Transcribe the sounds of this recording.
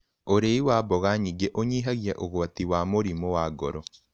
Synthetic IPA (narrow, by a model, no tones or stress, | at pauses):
oɾeiwaːbɔɣaɲiɡeʔoɲiːɦaɣjaʔoɣoat̪iwamoɾimowaɡɔɾɔ